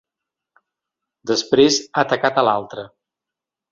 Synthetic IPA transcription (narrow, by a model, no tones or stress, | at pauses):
d̪əspɾezat̪əkat̪əlalˠt̪ɾə